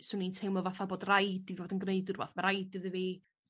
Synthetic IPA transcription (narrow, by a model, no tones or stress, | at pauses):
sʊnintʰeɨmɔvaθaboːdrajdivoːdənɡneɨdʊrva̰θmaɾajdɨðɨviː